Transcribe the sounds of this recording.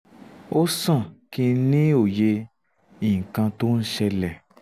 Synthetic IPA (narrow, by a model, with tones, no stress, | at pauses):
o˦sã˦˨ki˧nĩ˦o˨je˧ | ĩ˨ŋ̩˨kã˧to˦n̩˦ʃɛ˧lɛ˨